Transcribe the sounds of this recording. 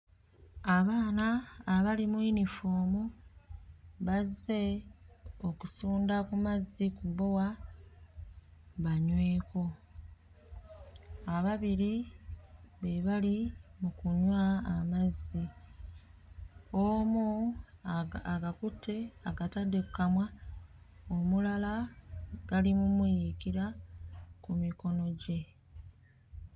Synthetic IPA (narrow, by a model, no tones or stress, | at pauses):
aβaːnaːβalimuinifoːmu | βaze̞ | oku̥suːndakumazːikuβo̞wa | βaɲwe̞ːko̞ | aβaβiɾi | βeβalimukuɲwaːmazi | omu | aɡakutʰːe̞aɡatadːekukːamwa | omulala | ɡ̥alimumwijikiɾa | kumiko̞no̞ɟe̞